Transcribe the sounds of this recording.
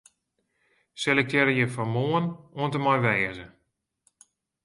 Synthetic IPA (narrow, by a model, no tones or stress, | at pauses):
sɛlɛk̚tɛɾəjəfɔmoənoəntəmɔjʋɛːəzə